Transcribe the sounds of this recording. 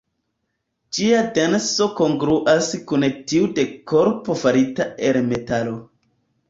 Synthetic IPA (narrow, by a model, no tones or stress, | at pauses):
d͡ʒiadenso̞ko̞ŋɡɾuʔaskuntiude̞koɾpo̞faɾitaelme̞talo